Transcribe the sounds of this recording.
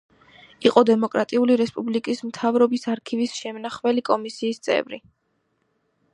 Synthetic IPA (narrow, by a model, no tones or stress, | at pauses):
iqʼɔd̪ɛmɔkʼɾat̪ʼiuliɾɛspʼublikʼismt̪ʰavɾɔbisaɾkʰivisʃɛmnaχvɛlikʼɔmisiːst̪sʼɛ̰vɾḭ